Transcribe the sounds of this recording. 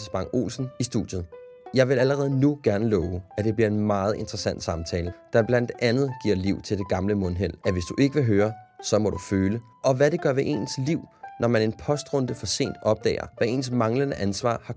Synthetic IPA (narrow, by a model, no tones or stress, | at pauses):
sb̥ɑ̈ŋo̝̰ːlsn̩isd̥ud̥jð̩ˠ | jɑ̈ɪʋe̝læləʁɛːð̞̩ˠnuɡ̥æɐnəlɔʊæd̥e̝b̥liɐe̝nmɑ̈ːð̞̩ˠe̝nd̥ʁɐsæn̰d̥sɑ̈mt͡sʰɛːləd̥ɑ̈b̥læn̰d̥ʔænð̞̩ˠɡ̥iɐ̰liʊ̰t͡sʰe̝ld̥e̝ɡ̥ɑ̈mləmɔ̽nɦel̰æʋe̝sd̥uʔe̝ɡ̥əʋe̝ɦøːɐsɒ̽mɒ̽duføːlə | ʔɒ̽ʋæɾe̝ɡ̥ɶɐʋe̝ʔe̝̰ːnsliʊ̰nɒmæne̝npʰɒ̽sd̥ʁɔ̽nd̥əfɒ̽se̝̰ːnd̥ɒ̽b̥̚d̥ɛ̰ːɐ̰ʋæe̝̰ːnsmɑ̈ŋlənəʔænsʋɑ̰̈ːhɑ̈